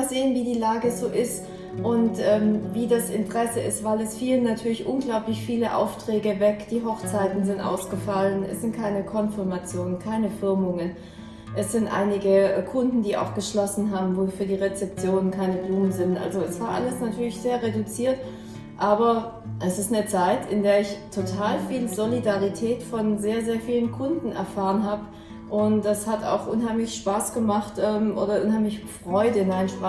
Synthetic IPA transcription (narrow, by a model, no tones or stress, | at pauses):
z̥eːənviːdiːlaːɡəzoːʔɪst | ʔʊntʔɛːmviːdasɪ̰ntəʁ̥ɛsəɪ̰stv̥aɪlɛsfiːlənːatʰyːɐlɪçʔʊnɡlaʊplɪçfiːləʔa̰ʊftʁ̥ɛːɡəvɛkd̥iːɦɔχt͡saɪtn̩zɪntʔa̰ʊsɡ̥əfalənɛ̰sz̥ɪnt̚kʰaɪnəkʰɔnfɪɐmat͡sjoːnənkʰaɪnəfɪɐmʊŋən | ʔɛsz̥ɪntʔa̰ɪnɪɡəkʰʊndn̩diːa̰ʊxɡ̥əʃlɔsn̩ɦaːbm̩voːfyːɐdiːʁet͡sɛp̚t͡sjoːnənkʰaɪnəbluːmənzɪntʔa̰lzoɛsv̥aːɐʔa̰ləsnatʰyːɐlɪçz̥eːɐʁedut͡siːɐt | ʔaːbɐ | ʔɛsɪstnət͡saɪtʰɪndeːɐɪçtʰotʰaːlfiːlzolidaʁitʰɛːtfɔnzeːɐzeːɐfiːlənkʰʊndn̩ɛ̰ɐfaːʁənɦaːbə | ʔʊntd̥ashata̰ʊxʔʊ̰nɦaɪmlɪçʃpaːsɡ̥əmaχtʔɛːmʔo̰ːɾɐʔʊnhɦaɪmlɪçfʁ̥ɔʏdəɪnmaɪnənʃpʁ̥aː